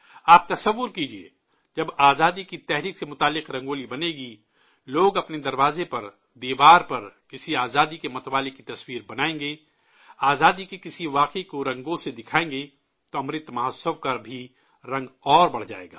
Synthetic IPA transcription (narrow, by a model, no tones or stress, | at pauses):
aːp̚t̪ɐsɐʋːʊɾkiːd͡ʒiḛː | d͡ʒɐbaːzaːd̪ikit̪ɛɦɾiːksemʊt̪aːlːɪqɾɐ̃ŋɡoːlibɐneːɡi | loːɡɐpned̪ɐɾʋaːzepɐɾ | d̪iːbaːɾpɐɾkɪsiaːzaːd̪ikemɐt̪ʋaːlekit̪ɐswiːɾbɐnaːẽŋɡeː | aːzaːd̪ikikɪsiʋaːqikoɾɐ̃ŋɡõsed̪ɪkʰaːẽːŋɡe | t̪oɐmɾɪt̪mɐɦəsəwkabʱi | ɾɐ̃ŋɡɔːɾbɐɽ̤d͡ʒa̰ːḛːɡa̰ː